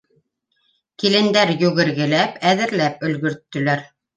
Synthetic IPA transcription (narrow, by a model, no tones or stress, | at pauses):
kilɘ̆nd̪æɾjɵɣɘ̆ɾɣɘ̆læpæðɘ̆ɾlæp̚ɵ̆lɡɵ̆ɾt̪ːɵ̆læɾ